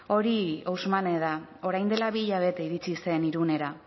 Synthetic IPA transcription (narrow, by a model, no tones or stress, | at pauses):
o̞ɾiowzmane̞ðao̞ɾajnd̪e̞laβiʎaβ̞e̞t̪e̞iɾit͡sise̞niɾune̞ɾa